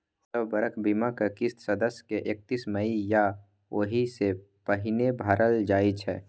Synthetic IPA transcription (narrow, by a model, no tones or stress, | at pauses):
t̪əbbəɾəkʰbimakakɪst̪səd̪əsjkeʔeːk̚t̪iːsməija | oɦise | pəɦɪnebʱaːɾʔəld͡ʒaːit͡ʃʰɦɛ̰ː